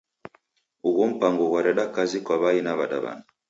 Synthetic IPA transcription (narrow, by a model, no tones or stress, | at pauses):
uɣɔm̩paŋɡɔwaɾɛɗakazikwaβainaβaɗa̰βa̰na